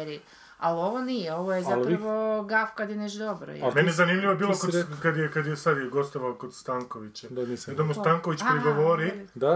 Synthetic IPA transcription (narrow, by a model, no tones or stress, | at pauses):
ɾi | aloʋonijeoʋojezapaʋoɡafkad̪jeneʃd̪obɾo̰j̰menijezanimʎiʋobiːlˠokokad̪jekad̪jesad̪jeɡo̞st̪oʋalokod̪st̪aːŋkoʋit͡ɕed̪anisd̪amust̪aŋkoʋit͡ɕpɾiɡoʋoɾida